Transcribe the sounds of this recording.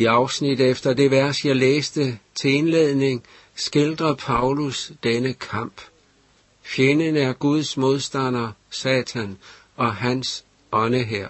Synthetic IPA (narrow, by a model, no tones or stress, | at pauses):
iɑ̈ʊsnid̥efd̥ɐd̥e̝ʋæɐsjɑ̈ɪleːsd̥ət͡sʰe̝e̝nleð̞̰ˠne̝ŋ | sɡ̥e̝ld̥ʁɐpʰɑ̈ʊlusd̥enəkʰɑ̈m̰b̥ | fjenənæɐɡ̥uð̞ˠsmo̝ð̞ˠsd̥æn̰ɐsɛːt͡sʰæn | ɒ̽ɦæns | ʔɒ̽nəɦeɐ̰